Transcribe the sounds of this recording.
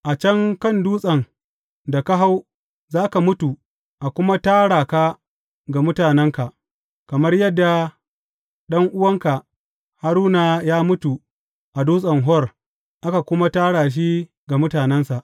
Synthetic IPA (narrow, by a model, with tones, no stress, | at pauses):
ʔa˨t͡ʃɐ˦ŋkɐ˦nduː˦sʼɐ˨ŋ | da˨ka˦ɦa˦w | zaː˦ka˨mʊ˦tu˨ | ʔa˨kʷʊ˦ma˦taː˦ɽaː˨ka˦ | ɡa˨mʊ˦taː˨nɛ˦ŋka˨ʔ | kɐ˨mɐ˦rjɐ˦dːa˨ | ɗɐ˦ŋʔʊ˦wɐ˦ŋka˨ | ha˦ɾuː˦na˨jaː˦mʊ˦tu˨ | ʔa˨duː˦sʼɐ˨ŋɦɔ˦r | ʔa˦ka˨kʷʊ˦ma˦taː˦ɽaː˨ʃ̬i˦ | ɡa˨mʊ˦taː˨nɛ˦nsa˨ʔ